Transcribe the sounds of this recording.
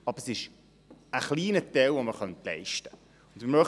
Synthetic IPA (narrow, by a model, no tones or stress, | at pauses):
ɑb̥əɾsɪʃ | əχliːnətɛlʋoməɾχœntlɛ̰ɪʃtə̥ | ʊn̩dməmœχ